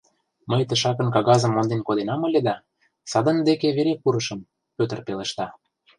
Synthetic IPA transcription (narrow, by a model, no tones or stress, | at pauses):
məjt̪ə̆ʃɑkə̆nkɑɣɑzə̆mːond̪enkod̪enɑmɤlʲed̪ɑ | sɑd̪ɤ̆nd̪ekeβeɾekuɾɤ̆ʃə̆m | pøt̪ə̆rpelĕʃt̪ɑ